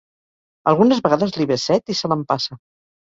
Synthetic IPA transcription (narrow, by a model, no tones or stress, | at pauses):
ə̰lˠɣunəzβəɣaðəzliβesɛt̪isələmpasə